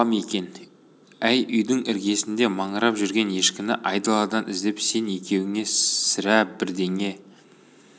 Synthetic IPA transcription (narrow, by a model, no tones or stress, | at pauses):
ɑme̞kʲe̞n | æjʏjd̪ɪŋʔɪɾɡʲe̞sɪnd̪e̞mɑɴəɾɑpʒʏɾɡʲe̞nje̞ʃkʲɪmɪʔɑjd̪ɑlˠɑd̪ɑnʔɪzd̪e̞pse̞ne̞kʲe̞wɪŋe̞sɪɾæbɪɾd̪e̞ŋe̞